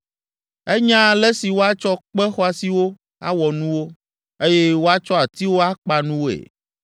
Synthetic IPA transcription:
ɛ˦ɲã˦lɛ˦si˨wo˦a˦t͡ʃɔ˦k͡pɛ˦xɔ˦a˨si˦wo˦ | a̰˦wɔ˨nũ˦wo˦ | e˦je˦wo˦a˦t͡ʃɔ˦a˨t̪i˦wo˦a˦k͡pa˨nũ˦wo˦ḛ˨

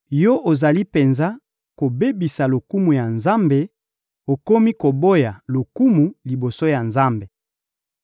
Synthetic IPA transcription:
jɔ˦ʔo˨za˨li˦pe˨nza˦ | ko˨be˦bi˨sa˨lo˨ku˦mu˨ja˨nza˦mbe˨ | o˨ko˦mi˦ko˨bo˦ja˨lo˨ku˦mu˨li˨bo˨so˦ja˨nza˦mbe˨

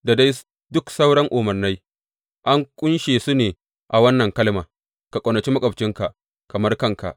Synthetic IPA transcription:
da˨da˦j | dʊ˦ksa˦wɽɐ˦ŋʔʊ˨mɐ˨rna˦j | ʔa˦ŋkʷʼʊ˦nʃeː˨su˦neː˨ | ʔa˨wɐ˦nːɐ˨ŋkɐ˦lmaː˨ | ka˨kʷʼo˨nɐ˨t͡ʃi˦mɐ˦kʼɐ˨bt͡ʃɪ˦ŋka˨ | kɐ˨mɐ˦rkɐ˦ŋka̰˨ʔ

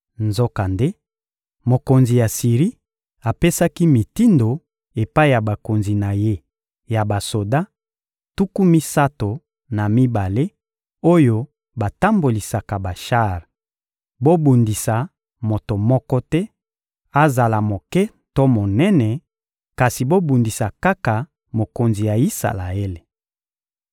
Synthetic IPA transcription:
nzo˦ka˨nde˦ | mo˨ko˨nzi˨ja˨si˨ʁi˦ | a˨pe˦sa˦ki˦mi˨ti˦ndo˨ | e˨pa˦i˦˨ja˨ba˨ko˨nzi˨na˨je˦ | ja˨ba˨so˨da˦ | tu˦ku˦mi˦sa˦to˨ | na˨mi˦ba˨le˦ | o˦jo˦ | ba˨ta˦mbo˨li˨sa˨ka˨ba˨ʃa˦ʁ | bo˦bu˨ndi˨sa˨ | mo˨to˨mɔ˦kɔ˦tɛ˦ | a˦za˨la˨mo˨kɛ˦ | to˦mo˨nɛ˦nɛ˨ | ka˨si˨bo˦bu˨ndi˨sa˨ka˦ka˨ | mo˨ko˨nzi˨ja˨i˦sa̰˨la̰˨e˦le˨

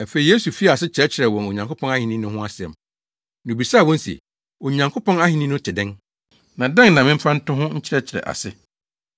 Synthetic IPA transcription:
æ˨fe˨i˨je˦su˨fi˦˨a˨sɪ˦t͡ɕʰɾɛ˦t͡ɕʰɪ˨ɾɛ˨wɔ̃˨no˨ɲã˨ŋkʰo˦pʰɔ̃˦na˦hĩ˨nĩ˦nʊ̃˦ɦʊ̃˦a˦sɪ˨ɛ̰˨m | nũ˨bi˨sa˦˨wɔ̃˦n˦sḭ˨ | o˨ɲã˨ŋkʰo˦pɔ̃˦na˦hĩ˨nĩ˦nʊ̃˦tʰɪ˨dɛ̃˦n | nã˨dɛ̃˦ŋnã˨mɪ̃˦m̩˦fa˦n̩˦tʊ̃˦ɦʊ̃˦ɲ̩˦t͡ɕʰɪ˦ɾɛ˦t͡ɕʰɪ˨ɾɛ̰˨ʔa̰˨sɪ˦

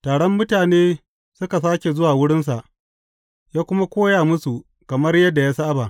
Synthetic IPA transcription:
taː˨ɽɔ˦mːʊ˦taː˨neː˦ | sʊ˦ka˨s̬aː˦kʲe˨zʊ˦waː˨wʊ˦ɽɪ˦ns̬a˨ʔ | jaː˦kʷʊ˦ma˦kʷoː˦jaː˨mʊ˦su˨ | kɐ˨mɐ˦rjɐ˦dːa˨jaː˦sa˦ʔa˦ba˨ʔ

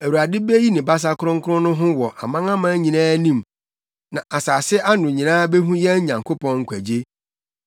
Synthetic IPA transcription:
æ˨wu˨a˨dɪ˦be˦ji˦nɪ̃˨ba˦s̬a˦kʰʊ˦ɾʊ̃˦ŋ̩˦kʰʊ˦ʊ̃˦nʊ̃˦ɦʊ̃˦wɔ˨ʔa̰˨mã˦ŋã˦mã˦ɲĩ˨nãː˦nĩ˦m | nã˨ʔa˨saː˨sɪ˦ʔa˦nʊ̃˨ɲĩ˨nãː˦be˦ɦũ˦jɛ˦ɲã˨ŋkʰo˦pʰɔ̃˦ŋ̩˦kʰʷæ˨d͡ʑe˦

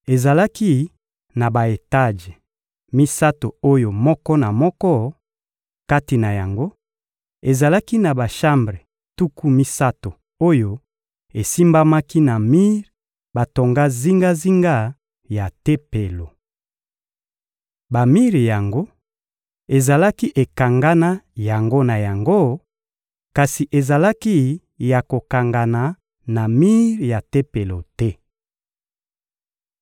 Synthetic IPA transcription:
e˨za˨la˦ki˦ | na˨ba˨e˨ta˦ʒe˨ | mi˦sa˦to˨o˦jo˨mɔ˦kɔ˦na˨mɔ˦kɔ˦ | ka˦ti˨na˨ja˨ŋɡo˦ | e˨za˨la˦ki˦na˨ba˨ʃa˦mbʁe˨ | tu˦ku˦mi˦sa˦to˨ | o˦jo˦ | e˨si˦mba˦ma˦ki˦na˨mi˦ʁ | ba˨to˨ŋɡa˦zi˦ŋɡa˦zi˦ŋɡa˦ | ja˨te˦pe˨lo˨ | ba˨mi˦ʁja˨ŋɡo˦ | e˨za˨la˦ki˦ʔe˨ka˨ŋɡa˦na˦ja˨ŋɡo˦na˨ja˨ŋɡo˦ | ka˨si˨ʔe˨za˨la˦ki˦ | ja˨ko˨ka˨ŋɡa˨na˨ | na˨mi˦ʁja˨te˦pe˨lo˨tɛ˦

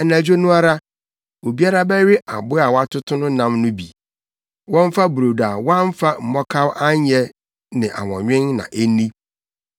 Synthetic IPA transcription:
ɛ˨næ˨d͡ʑᶣo˦nʊ̃˦a˦ɾa˦ | o˨bi˦a˦ɾa˦bɛ˦ɥɪ˦ʔa˨bʊ˦a˨wa˦tʰʊ˦tʰʊ˦nʊ̃˦nã˦mnʊ̃˦bḭ˨ | wɔ̃˦ɱ˦fa˦bu˨ɾo˨da˨wã˦nm˦fa˦m̩˨mɔ˦kʰa˦wʔa˦ɲɛ˦ | nɪ̃˨ʔa̰˨wɔ̰̃˨ɲᶣɪ̃˦nːã̰˨ʔe˦nĩ˦

